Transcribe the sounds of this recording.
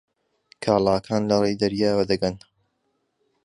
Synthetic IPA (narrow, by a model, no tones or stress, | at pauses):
kʰaːlˠaːkʰaːnlɐrejd̪ɐɾjaːwɐd̪ɐɡɐn